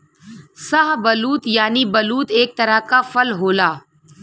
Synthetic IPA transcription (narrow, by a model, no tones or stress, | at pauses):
saɦbɐluːt̪jaːnibɐluːt̪eːk̚t̪ɐɾəkafɐlɦoːlaː